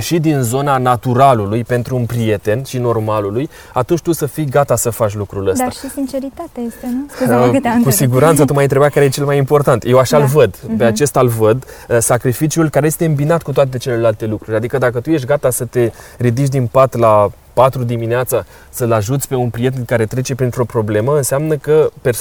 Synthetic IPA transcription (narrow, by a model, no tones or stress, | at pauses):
ʃid̪inzo̞nanat̪uɾalulujpe̞nt̪ɾuːnpɾije̞t̪e̞nʃino̞rmaluluj | at̪unt͡ʃʲt̪usəfijɡat̪asəfat͡ʃlukɾuləsdsaaʃisint͡ʃeɾit̪at̪ajest̪en | kusiɡuɾant̪sət̪umajnt̪ɾe̞bjakaɾejet͡ʃe̞lmajimpo̞rt̪ant̪je̞waʃalvəd̪pe̞at͡ʃe̞st̪alvəd̪sakɾifit͡ʃiulkaɾeje̞st̪e̞ɨmbinat̪kut̪oat̪̬e̞t͡ʃe̞le̞lalt̪e̞lukɾuɾʲad̪ikəd̪akət̪ujeʃt̪̚ɡat̪asət̪e̞ɾid̪it͡ʃ̬d̪inpat̪la | pat̪ɾud̪imineat̪sa | səlaʒut̪sʲpe̞unpɾije̞t̪e̞nkaɾe̞t̪ɾe̞t͡ʃe̞pɾint̪ɾo̞pɾo̞ble̞məɨnseamnəkəpe